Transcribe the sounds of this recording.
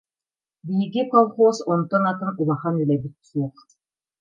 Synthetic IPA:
biɦiɡikɔlˠχoːsɔnt̪ɔnat̪ɯnulˠaχanylɛbit̪̚suɔχ

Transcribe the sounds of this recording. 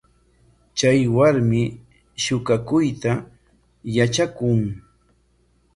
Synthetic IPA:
t͡ʃajwaɾmɪ | ʃʊkakʊjt̪a | jat͡ʃakʊŋ

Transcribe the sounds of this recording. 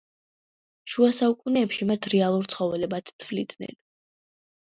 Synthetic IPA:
ʃuasaukʼunɛːpʃimat̪ʰɾɛalˠuɾt̪sʰχɔvɛlɛbat̪t̪ʰvlḭd̪nɛ̰n

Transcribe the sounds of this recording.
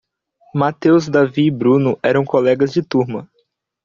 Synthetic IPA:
mat̪ewzd̪aviːbɾũnʊʔɛɾɐ̃w̃kolɛɡɐzd͡ʒɪt̪uɾmɐ

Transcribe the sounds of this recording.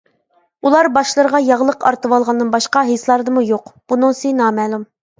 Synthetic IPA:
ulˠɑɾbɑʃlˠəɾəʁɑjɑʁlˠəqʰɑ̰ɾt̪ɨwɑlˠʁɑnd̪ɨnbɑʃqɑɦeslˠɑɾɨd̪ɨmujoqb̥unɨŋsinɑːmɛːlˠum

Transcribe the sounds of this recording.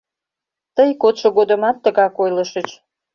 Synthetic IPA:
t̪əjkot̪ʃoɣod̪əmɑt̪ːəɣɑkojləʃət͡ɕ

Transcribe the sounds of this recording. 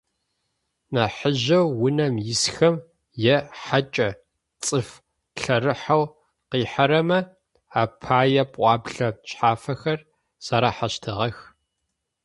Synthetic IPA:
naːħəʑɐwːʊnɐmjɪsxɐm | jɛħat͡ʃʼɐ | t͡sʼɨf | ɬɐrɨħaw | qiːħaɾɐmɐ | aːpʰaːjɐpʼʔʷʼɑːbɮɐɕʼħaːfɐxɐr | z̥ɐɾaːħaɕtʰɨʁɐx

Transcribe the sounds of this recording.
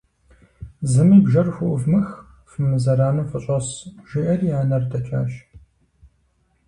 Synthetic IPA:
zɨmiːbʒɐrxʷʊʔʊvmɨx | fɨmɨzɐɾaːnɨfʼɨɕʼɐsʒ̥ɪʔɐrjaːnɐrdʰɐt͡ʃʰa̰ːʃ

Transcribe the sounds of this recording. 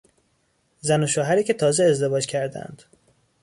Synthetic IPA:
zænoʃoːɦæɾiːcʰʲe̞t̪ʰɒːzeːzd̪e̞vɒːd͡ʒkcʰæɾd̪æ̰nd̪̥

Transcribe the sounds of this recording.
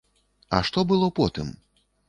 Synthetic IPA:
ɐ̰ʂt̪ɔbɨlˠɔpɔt̪ɨ̰m

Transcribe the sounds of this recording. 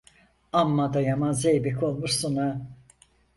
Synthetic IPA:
amːad̪ajamanzejbikʰolˠmuɾsuna

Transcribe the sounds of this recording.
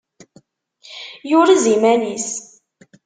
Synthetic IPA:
jʊɾizimænis

